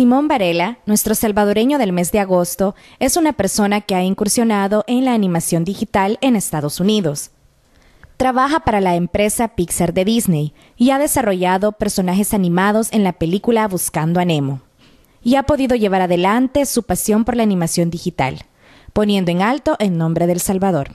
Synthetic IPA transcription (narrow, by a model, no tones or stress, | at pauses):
simõ̞mbaɾe̞lanwe̞st̪ɾo̞salβað̞o̞ɾe̞ɲo̞ðe̞lme̞zd̪e̞aɣo̞st̪o̞ | e̞sunape̞ɾso̞nakeaiŋkuɾsjo̞naðo̞ʔe̞nlaːnĩmasjo̞nd̪ixit̪ale̞ne̞st̪aðo̞suniðo̞s | t̪ɾaβaxapaɾalaempɾe̞sapikseɾðe̞ðizne̞j | iaðe̞saro̞ʝaðo̞pe̞ɾso̞naxe̞sanĩmað̞o̞se̞nlape̞likulaβuskand̪oanemo̞ | iapo̞ðiðo̞ʝe̞β̞aɾaðe̞lant̪e̞supasjo̞mpo̞ɾlaːnĩmasjo̞nd̪ixit̪a̰l | po̞nje̞nd̪oeŋalt̪o̞ʔe̞nnõ̞mbɾe̞ðe̞lsalβað̞o̞ɾ